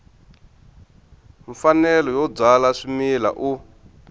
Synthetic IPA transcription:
ɱfanɛlɔjɔb͡ʐalaʂimila̰ʔu

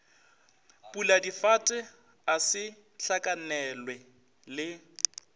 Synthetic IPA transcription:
pʼuladifatʼɛ | asɪ | ɬʰakʼanɛlwɛ | lɪ

